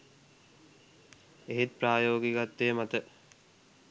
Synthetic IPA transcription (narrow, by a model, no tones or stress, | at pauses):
eɦet̪̚pɾaːjoːɡiɡat̪ːejmat̪ə